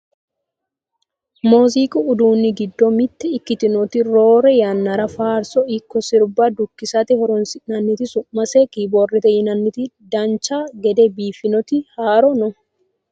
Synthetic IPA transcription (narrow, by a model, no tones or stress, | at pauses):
moːziːkʼʊʊd̪uːnːɪɡɪd̪ːɔmɪt̪ːɛɪkːɪt̪ɪnɔt̪ɪɾoːɾɛjɐnːɐɾɐfaːɾsɔɪkːɔsɪɾbad̪ʊkːɪsɐt̪ɪhɔɾɔnsɪnɐnːɪt̪ɪsʊmːɐsekibɔrɛt̪ɛjɪnɐnːɪt̪ɪd̪ɐnt͡ʃaːɡɛd̪ɛbiːfɪnɔt̪ɪhaːɾɔnɔ